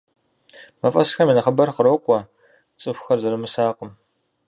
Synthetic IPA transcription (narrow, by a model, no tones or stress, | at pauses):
mɐfʼɐsxɐmiːnɐχəbɐrqəɾokʷʼɔ | t͡sʼɨxʷxɐrzɨɾɨmɨsaːqəm